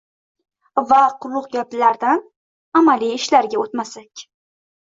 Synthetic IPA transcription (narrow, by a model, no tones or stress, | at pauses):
vaqʰʊɾlʊqɡʲapɪlaɾd̪an | amaliɪʃlaɾɡʲaot̪masakʲ